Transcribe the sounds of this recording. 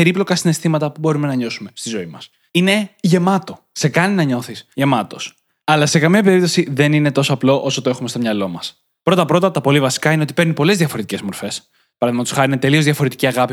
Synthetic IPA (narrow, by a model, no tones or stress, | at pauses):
pe̞ɾiplo̞kɐsine̞st̪imɐt̪ɐpubo̞ɾume̞nɐɲo̞sume̞st̪izo̞imɐs | ine̞ʝe̞mɐt̪o̞ | se̞kɐninɐɲo̞θisʝe̞mɐt̪o̞s | ɐlɐse̞kɐmiɐpe̞ɾip̚t̪o̞siðe̞nine̞t̪o̞soɐplo̞ʔo̞sot̪oe̞xumest̪omɲɐlo̞mɐs | pɾo̞t̪ɐpɾo̞t̪ɐt̪ɐpo̞livɐsi̥kɐineot̪ipe̞ɾnipo̞lezðjɐfo̞ɾet̪ice̞zmo̞ɾfe̞s | pɐɾɐðimɐt̪u̥sxɐɾiinet̪e̞liozðʝɐfo̞ɾe̞t̪iciɐɣɐpi